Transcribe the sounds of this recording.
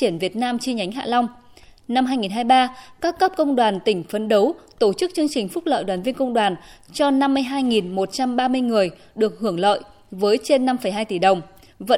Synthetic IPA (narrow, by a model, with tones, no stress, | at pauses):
t͡ɕi˧˩ənvi˨˩ət̚naː˧mt͡ɕi˧ɲa˨˦jŋ̟ɦa̰ː˧˨lɔ˧wŋ͡m | na˧mɦaː˧jŋi˨˩nɦaː˧jɓaː˧kaː˦˥kːə˦˥p̚kə˧wŋ͡mɗwaː˨˩nt̪ï˧˩ŋ̟fə˨˦nɗə˨˦wt̪o˧˩t͡ɕɨ˦˥k̚t͡ɕɨ˧əŋt͡ɕï˨˩ŋ̟fʊ˦˥k͡p̚lə̰ː˧˨jɗwaː˨˩nvi˧ənkə˧wŋ͡mɗwaː˨˩nt͡ɕɔ˧na˧mːɨ˧əjɦaː˧jŋi˨˩nmo˨˩t̚t͡ɕa˧mɓaː˧mɨ˧əjŋɨ˨˩əj | ɗɨ˨˩ək̚hɨ˧˩əŋlə̰ː˧˨j | vəː˨˦jt͡ɕe˧nːa˧mfə˧˩jɦaː˧jt̪i˧˩ɗə˨˩wŋ͡m | və̰˧˥